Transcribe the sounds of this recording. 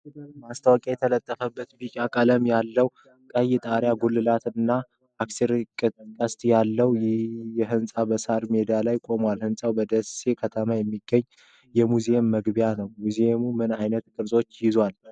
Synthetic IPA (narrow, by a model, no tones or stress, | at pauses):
ɨd̪ɨlbast̪ʰawəkʼajɛt̪ʰələt̪ʼːəfəbːət̪bit͡ʃʼakʼələmjalːəw | kʼəjɛt̪ʼaɾjaɡulːɨlat̪ɨnːa | akseɾkʼɨkʼəst̪ʼjalːəwjjɛɦɨnsʼabəsaɾme̞d̪ialajkʼo̞mwalhɨnsʼawbəd̪əse̞kʰət̪ʰəmajɛmːiɡːəɲː | jɛmuzeemːəɡbjanəwmuzeemumɨnajnət̪kʼɨɾsʼot͡ʃːjɪzwal